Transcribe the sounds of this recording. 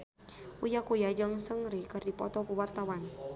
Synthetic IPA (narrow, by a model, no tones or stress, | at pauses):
ʔujakujad͡ʒəŋsəŋɾikɨrdipɔ̰t̪ɔkuwart̪awan